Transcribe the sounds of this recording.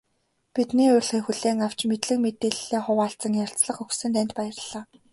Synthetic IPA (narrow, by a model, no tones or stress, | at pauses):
pit̪niːʊrɮχexuɮeːŋaw̥t͡ɕmet̪ɮɘ̆kmet̪eːɮːeːχʊwaːɬt͡sə̆ŋjarʲt͡sɮə̆χɵxsɘ̆nt̪ænʲt̪̚pæjə̆rɮ̥ːaː